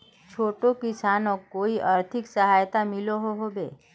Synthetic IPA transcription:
t͡ʃʰoʈokisanokoiʔaɾt̪ʰiksəɦajt̪amiloɦoɦobe

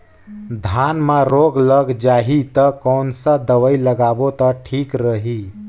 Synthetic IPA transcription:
d̪ʱanmãɾoɡləɡd͡ʒaɦit̪əkɔnsəd̪əʋəiləɡabot̪əʈʰikɾəɦi

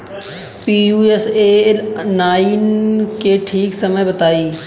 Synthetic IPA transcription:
piːuːeseːlnaːinkeʈʰiːksɐməjbɐt̪aːiː

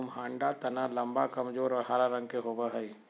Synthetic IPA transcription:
mɦãːɳɖat̪ɐnalɐ̃mba̰kɐmd͡ʒoːɾɔːɾɦaːɾaɾə̃ŋɡ̚keɦobaɦəi

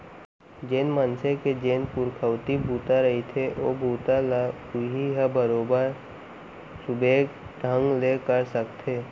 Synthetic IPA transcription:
d͡ʒenmənsẽked͡ʒeːnpʊɾkʰəwt̪ibʱuːt̪aɾəɦit̪ʰeʔoːbʱuːt̪ala | ʊɦiɦəbəɾoːbəɾ | sʊbʱeːɡɖʱə̃ŋɡlekəɾsəkt̪ʰeː

